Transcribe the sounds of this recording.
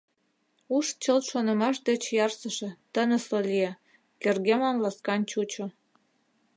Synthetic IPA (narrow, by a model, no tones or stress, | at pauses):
uʃt͡ɕəlt̪ʃonə̆mɑʃd̪et͡ɕjɑrsəʃĕt̪ənĕsolije | kerɣemɑmlɑskɑnt͡ɕut͡ɕo